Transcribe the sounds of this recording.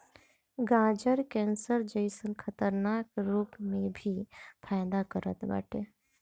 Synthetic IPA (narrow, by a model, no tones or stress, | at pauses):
ɡãd͡ʒəɾkɛ̃nsəɾd͡ʒəɪsənkʰət̪əɾnakɾuːpmẽbʱipʰaɪd̪akəɾə̰t̪ba̰ːʈʰe